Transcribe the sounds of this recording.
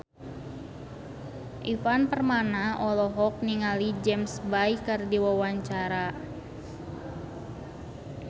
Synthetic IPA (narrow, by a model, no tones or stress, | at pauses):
ʔifanpərmanaʔɔlɔɦɔk̚niŋalid͡ʒɛmsbaikːardiwawaɲt͡ʃaɾa